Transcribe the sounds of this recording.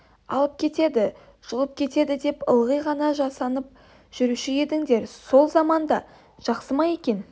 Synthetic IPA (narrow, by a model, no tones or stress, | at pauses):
ɑ̰lˠəp̚kʲʰe̞t̪e̞d̪ɪ | ʒ̥əlˠəp̚kʲʰe̞t̪e̞d̪ɪd̪e̞pəlˠʁəjʁɑnɑʒɑsɑnəp̚ | ʒ̥ʏɾuʃɪje̞d̪ɪŋd̪e̞ɾso̞lˠzɑmɑnd̪ɑ | ʒ̥ɑqsəmɑje̞kʲe̞n